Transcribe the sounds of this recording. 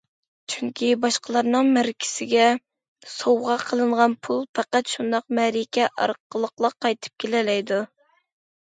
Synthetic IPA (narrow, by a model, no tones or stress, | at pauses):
t͡ʃʰyŋkʲʰibɑʃqʰəlˠɑɾnɨŋmæɾkʲʰɪ̥sɪɡʲɛ | sowʁɑqʰəlˠɨɴʁɑnpʰulˠpæqæt̪ʃund̪ɑq̚mɛɾɪkʲɛʔɑ̰ɾqəlˠəqlˠəqʰːɑjt̪ʰɨ̥p̚kʲʰelɪlɛjd̪u